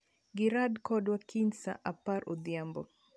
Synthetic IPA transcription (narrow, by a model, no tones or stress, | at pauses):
ɡɪɾadkɔdwakʰinsa̰ʔapaɾʔɔd̪jambɔ